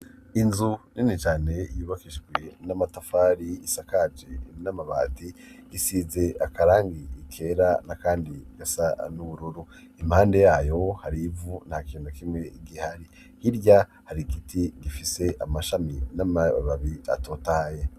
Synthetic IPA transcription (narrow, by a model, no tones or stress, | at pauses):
inzuninit͡ʃaːne̞ijuːβakiʃɡwenamatafaːɾiisakad͡ʒenamaβa̰ːtiːsize̞akaɾaːŋɡiːkʰe̞ɾanakaːndiɡ̥asanuβuɾuɾu | imhaːnde̞jaːjo̞haɾivunhakiːndukimŋe̞ɡihaɾi | hiɾɟa | haɾiɡitʰiɡifise̞ʔamaʃaminamaβaβia̰toːtaje